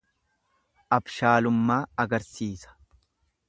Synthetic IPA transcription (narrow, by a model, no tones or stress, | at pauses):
ʔɐbʃaːlʊmːaːɐɡɐɾsiːsɐ̥